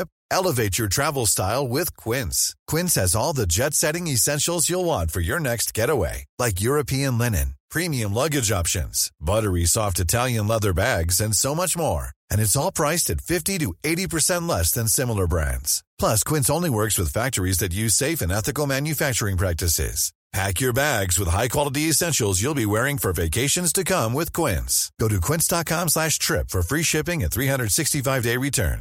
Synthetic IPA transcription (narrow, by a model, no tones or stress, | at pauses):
p | ɛlˠəveɪt͡ʃə˞tʰɹ̥ævl̩ˠstaɪlˠwɪð̥kʰw̥ɪ̃nskʰw̥ɪ̃nshɨzɔlˠðɨd͡ʒɛtsɛɾɪ̃ŋɨsɛ̃nʃl̩ˠzjəlˠwɑ̃nfə˞jə˞nɛkst̚ɡ̥ɛɾəwḛɪlaɪk̬jʊɹɨpʰiɨ̃nlɛnɨ̰̃npʰɹ̥ĩmiɨ̃mlʌɡɨd͡ʒɑpʃɨ̰̃nz̥bʌɾə˞isɔftɨtʰælˠjɨ̃nlɛðə˞bæɡzɨ̃nsoʊmʌt͡ʃmɔ̰ɹɨ̃nɨtsɔlˠpʰɹ̥aɪstɨtfɪftiɾɨeɪɾipə˞sɛ̃nʔˡlɛsðɨ̃nsɪ̃ml̩ˠə˞bɹæ̰̃ndz̥pʰl̥ʌskʰw̥ɪ̃nsõʊ̃nliwɜ˞kswɨð̥fæk̚tə˞izðɨtjʉz̥seɪfɨ̃nɛθɨkl̩ˠmæ̃njɨfæk̚t͡ʃə˞ɪ̃ŋpʰɹ̥æk̚tɨsɪ̰z̥ | pʰækjə˞bæɡzwəð̥ɦaɪkʰw̥ɑlˠəɾiɨsɛ̃nʃl̩ˠzjulˠbiwɛɹɪ̃ŋfə˞veɪkʰeɪʃɨ̃nz̥tʰɨkʰʌ̃mwɪð̥kʰw̥ɪ̰̃nsɡ̥oʊɾɨkʰw̥ɪ̃ntsd̥ɑt̚kʰɑ̃mslæʃtʰɹ̥ɪpfə˞fɹiʃɪpɪ̃ŋɨt̪θɹihʌ̃ndɹə˞d̥sɪkstifaɪvdeɪɹitʰɜ̰̃˞n